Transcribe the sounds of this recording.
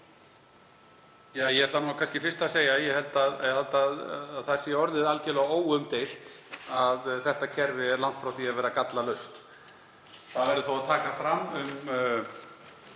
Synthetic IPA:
jaːjɛɛt̪lanuːakʰanscɪfɪ̥st̪aseːjajɛhɛlt̪aðhalt̪aðːðθasjɛɔɾðɪðalcɪlɛɣaoːwʏmt̪ejl̥t̪aðθɛht̪acʰɛɾvɪɛɾlan̥t̪fɾawθiːavɛːɾakat̪lalœɥst̪ | θavɛɾʏθowaðt̪ʰaːkafɾamːʏm

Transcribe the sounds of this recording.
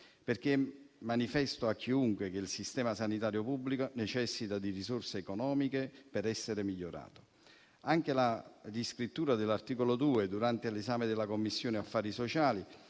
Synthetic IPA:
perk̟emːanifɛst̪oakʰːiuŋkwek̟eilsist̪ɛːmasanit̪aːɾjopubːlikonet͡ʃɛsːit̪ad̪irisorseːkonɔːmikepeɾɛsːeɾemiʎːoɾa̰ːt̪o̥ | aŋk̟eladiskɾit̪ːuːɾad̪elːart̪iːkolod̪uːed̪uɾant̪elezaːmed̪elakomːisːjoːneafːaːɾisot͡ʃaːli

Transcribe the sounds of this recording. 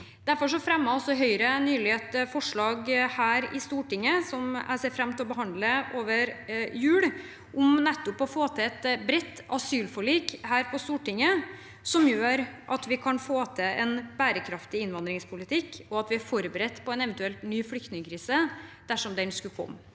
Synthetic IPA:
d̪̥æɾfɔʂ̬ɔfɾɛmːəɔsːɔɦœʏɾənyːlɪeːt̪fɔʂɭɑːɡhæːɾɪ̰st̪uːʈɪŋːəsɔmæ̰ɪseːfɾɛmt̪ʰɛɔbəɦɑnd̪ləʔoːʋəɾjʉːɽ | ʔʊmnɛt̪ːʊpɔfoːt̪ʰɛɛt̪bɾɛt̪ːɑsyːlfɔɭiːkhæːɾpʰɔst̪uːʈɪŋːə | sɔmjøːɾʔɑt̪ʋɪkʰɑnfoːt̪ʰɛɛnbæːɾəkʰɾɑft̪ɪɪnʋɑnd̪ɾɪŋspʰʊlɪt̪ʰɪkːɔɑt̪ʋɪæɾfɔɾbəɾɛt̪ːpʰɔɛnɛʋɛnt̪ʉɛlt̪nyːflʏk̚t̪nɪŋəkʰɾiːsəd̪̥æʂɔmd̪ɛnskʉkʰɔ̰mː

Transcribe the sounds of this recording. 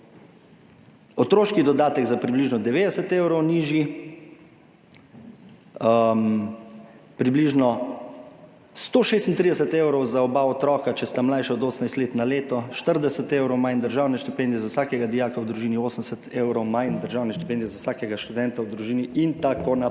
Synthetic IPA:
ɔt̪ɾoːʃkid̪ɔd̪aːt̪ɛɡzapɾibliʒnɔd̪ɛʋeːd̪ɛsɛt̪eːwɾɔwniʒji | m | pɾibliʒnɔ | st̪oːʃeːst̪n̩t̪ɾid̪ɛsɛt̪ewɾɔwzaɔbaɔt̪ɾɔːkat͡ʃɛst̪amlajʃɛɔd̪oːsənajst̪leːt̪naleːt̪ɔʃt̪əɾd̪ɛsət̪ewɾɔwmajnd̪əɾʒaːwnɛʃt̪ipend̪iɛzawsaːkɛɡad̪ijaːkawd̪ɾuʒiːnioːsənɛsɛt̪ewɾɔwmajnd̪əɾʒaːwnɛʃt̪i̥pend̪ijɛzawsaːkɛɡaʃt̪ud̪ɛnt̪awd̪ɾuʒiːniʔint̪akona

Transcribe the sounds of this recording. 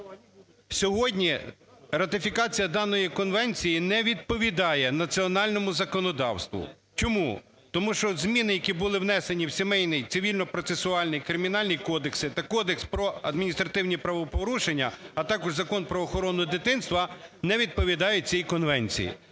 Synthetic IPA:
sʲɔɦɔdʲnʲiɾɐt̪ɪfʲikɑt͡sʲijɐd̪ɑnɔjikɔnʋɛnʲt͡sʲijinɛʋʲid̪̚pɔʋʲid̪ɑjɛnɐt͡sʲiɔnɑlʲnɔmʊzɐkɔnɔd̪ɑ̰wst̪ʋʊ̰ | t͡ʃɔmu | t̪ɔmuʃt͡ʃɔzmʲinɪjɐkʲibʊlˠɪwnɛsenʲiwsʲemɛjnɪjt̪sɪʋʲilʲnɔpɾɔt̪sesʊɑlʲnɪjkɾɪmʲinɑlʲnʲijkɔd̪eksɪt̪ɑkɔd̪ekspɾɔɐd̪minʲist̪ɾɐt̪ɪwnʲipɾɐʋɔpɔɾuʃenʲːɐːt̪ɑkɔʒzɐkɔnpɾɔːxɔɾɔnːʊd̪ɪt̪ɪnst̪ʋɐnɛʋʲid̪̚pɔʋʲid̪ɑjʊt͡sʲijkɔnʋɛnʲt͡sʲḭjḭ

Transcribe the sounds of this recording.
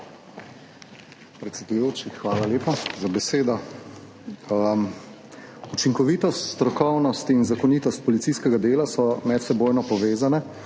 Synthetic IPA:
pɾɛt̪sʲɛd̪ujoːt͡ʃixʋaːlaljeːpazabɛseːd̪ɔ | ut͡ʃiŋkɔʋiːt̪ɔst̪st̪ɾɔkɔwnɔst̪inzakɔniːt̪ɔst̪̚pɔlit̪siskɛɡad̪eːlasɔmɛt̪sɛboːjnɔpɔʋeːzanɛ

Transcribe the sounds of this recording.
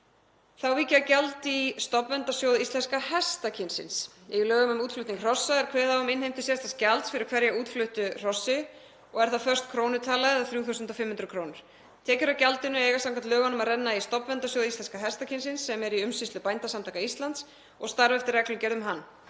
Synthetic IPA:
θawviːcɪacalt̪ist̪ɔpvɛnt̪asjoːwðist̪lɛnskahɛst̪acʰɪnsɪ̰ns | ilœːɣʏmʏmuːt̪flʏht̪niŋkr̥ɔsːaɛɾ̥kʰvɛ̥ːθawʏmɪnhejm̥t̪ʏsɛst̪ascalt̪sfɪɾɪɾ̥kʰv̥ɛɾjauːt̪flʏht̪ʏr̥ɔsːɪ | ɔɣɛɾθafœrst̪kʰɾoːwnʏt̪ʰaːlaɣɪðaθɾjuːθuwsʏnt̪ɔfɪmhʏnɾʏkʰɾownʏɾ̥ | t̪ʰɛːcʏɾacalt̪ɪnːʏejɣasawŋkant̪lœːɣanʏmaðrɛnːaist̪ɔpvɛnt̪asjoːwðist̪ɛnskaɦɛst̪acʰɪnsɪnsːɛmɛɾiʏmsɪslʏpajnt̪asamt̪ʰaːkaist̪lant̪s | ɔɣst̪aɾvɛft̪ɪɾrːɛklʏmcɛːɾðʏmɦanː

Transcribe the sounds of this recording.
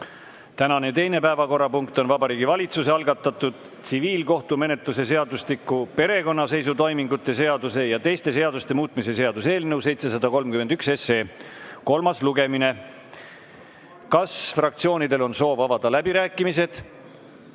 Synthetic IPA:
t̪ænɑnet̪e̞jne̞pæevɑko̞rːɑpuŋkt̪o̞nvɑbɑɾiːɡivɑlʲit̪suse̞ɑlɡɑt̪ːˑɑt̪ːud̪̥ | t̪siviːlko̞ht̪ume̞ne̞t̪luse̞se̞ɑd̪uslikːˑupe̞ɾe̞ko̞nːɑse̞jsut̪o̞jmiŋɡut̪ːˑe̞se̞ɑd̪use̞jɑt̪e̞jst̪e̞se̞ɑd̪ust̪e̞muːt̪ˑmise̞se̞ɑd̪̥use̞ːlnɤws̬e̞jt̪se̞sɑd̪ɑko̞lmkyme̞nd̪ykse̞seːko̞lmɑsluɡe̞mine̞ | kɑsfrɑk̚t̪sio̞ːnid̪e̞lo̞nso̞ːvɑvɑd̪̥ɑlæbiɾæːkːˑimise̞d̪̥

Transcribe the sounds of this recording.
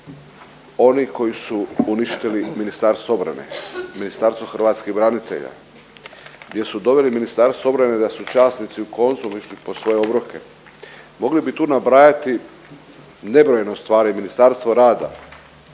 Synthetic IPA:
o̞niko̞jisuuniʃt̪iliminist̪aɾst̪oo̞bɾa̰nḛminist̪aɾst̪ʋoxɾʋaːt̪skibɾanit̪e̞̰ʎa̰ | ɡd̪je̞sud̪o̞ʋeliminist̪aɾst̪oo̞bɾaned̪asut͡ʃaːsnit̪siukʰo̞nt̪sumiʃlipo̞sʋo̞jeo̞bɾokʰe̞ | mo̞ɡlibit̪uːnabɾajat̪i | ne̞bɾojenost̪ʋaːɾiminist̪aɾst̪ʋoɾaːd̪a̰

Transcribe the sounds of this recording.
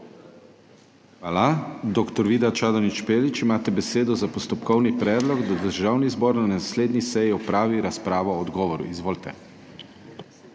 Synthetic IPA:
xʋaːlad̪oːkt̪ɔɾʋiːd̪at͡ʃaːd̪ɔnit͡ʃpeːlit͡ʃimaːt̪ɛbɛseːd̪ɔzapɔst̪ɔpkɔwnipɾɛːd̪lɔɡd̪ad̪əɾʒaːwnizboːɾnanasleːd̪nisɛjiɔpɾaːʋiɾaspɾaːʋɔːd̪ɡɔːʋɔɾṵizʋoːlt̪ɛ̰

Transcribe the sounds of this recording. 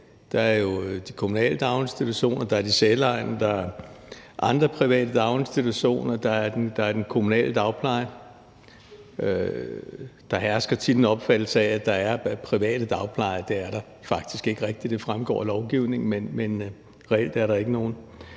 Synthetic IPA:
d̥ɑ̈æɐjo̝d̥ikʰomunɛ̰ːləd̥ɑ̈ʊe̝nsd̥it͡sʰuɕo̝̰ːnɐd̥ɑ̈æɐd̥iselɑ̈ɪ̰nɐd̥ɑ̈æɐʔɑ̈nd̥ʁɐpʰʁiʋɛ̰ːd̥əd̥ɑ̈ʊe̝nsd̥it͡sʰuɕo̝̰ːnɐd̥ɑ̈æɐd̥end̥ɑ̈æɐd̥enkʰo̝munɛ̰ːləd̥ɑ̈ʊpʰlɑ̈ɪɐ | ø | d̥ɑ̈ɦæɐsɡ̥ɐt͡sʰid̥n̩ɒ̽b̥fæd̥l̩sææd̥ɑ̈æɐpʰʁiʋɛ̰ːɾ̥əd̥ɑ̈ʊpʰlɑ̈ɪ̰ɐd̥e̝æɐɾɑ̈ | fɑ̈ɡ̥̚d̥isɡ̥e̝ɡ̥əʁɛɡ̥̚d̥id̥e̝fʁamɡ̥ɒ̰ːlɒʊɡ̥iʊne̝ŋn̩menmen | ʁɛel̰d̥æɐɾɑ̈e̝ɡ̥əno̝ːn̩

